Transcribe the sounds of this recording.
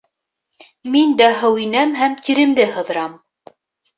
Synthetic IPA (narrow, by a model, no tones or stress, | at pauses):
mind̪æɦɘ̆winæmɦæmt̪iɾɘ̆md̪ɘhɤ̆ðɤ̆ɾɑm